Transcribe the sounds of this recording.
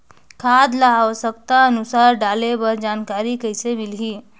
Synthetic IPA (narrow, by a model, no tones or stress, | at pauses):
kʰad̪laːwəsək̚t̪aənusaɾɖalebəɾd͡ʒankaɾikəjsemilɦi